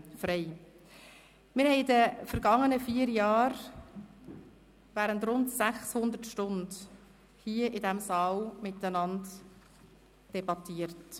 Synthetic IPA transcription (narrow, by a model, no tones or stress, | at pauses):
fɾeɪ | mɪɾhɛɪdəfəɾɡɑŋːənəfiːəɾjɑːɾ | væːɾəntrʊntsæχshʊnd̪əɾtʃtʊnd | hiəʔɪdɛmsɑːlmɪtːənɑnd | d̥ɛbɑtiəɾt